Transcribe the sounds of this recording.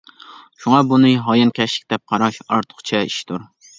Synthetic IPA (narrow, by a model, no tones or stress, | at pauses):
ʃuŋɑbunɨɦɑjɨnkʲɛʃɪ̥kʲd̪ɛp̚qʰɑɾɑʃɑɾt̪ʰʊ̥χt͡ʃʰɛiʃt̪ʰuɾ